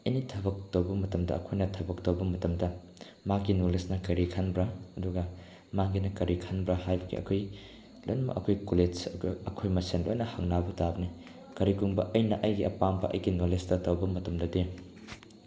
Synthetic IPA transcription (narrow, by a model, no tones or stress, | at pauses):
ɐjnitʰɐbɐk̚tɐwbɐmɐtɐmdɐ̰ɐ̰kʰojnɐtʰɐbɐk̚tɐwbɐmɐtɐmdɐ | maɡinolesnɐkɐɾikʰanbɾɐɐduɡɐ | maɡinɐkɐɾikʰanbɾɐhajbɐɡḭɐ̰kʰoj | lojnɐmɐ̰ʔɐkʰojkoled͡ʒɐɡɐkʰojmɐsenlo̰jnɐhaŋnabɐtabɐni | kɐɾikuŋbɐ̰ʔɐjnɐʔɐjɡiɐpambɐʔɐ̰jɡinolestɐtɐwbɐmɐtɐmdɐde